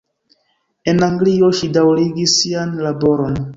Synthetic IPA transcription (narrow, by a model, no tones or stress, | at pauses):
e̞naŋɡlio̞ʃidawɾiɡisːianlabo̞ɾo̞n